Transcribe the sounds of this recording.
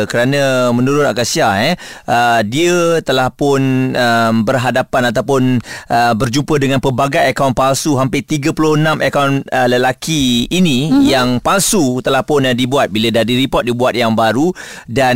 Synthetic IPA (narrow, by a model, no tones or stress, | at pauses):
kəɾanə̃mə̃nuɾʊnakasiaɛʔədiət̪əlahpʊnəmbərɦadapanat̪awpʊnʔəbərd͡ʒumpədəŋanpəbaɡajakawnpalsuɦampɪt̪iɡəpulʊənãmʔəkawnələlakiːnĩjaŋpalsut̪əlahpʊnadibuat̪̚bilədahdiɾipɔt̚dibuat̪̚jaŋbaɾudan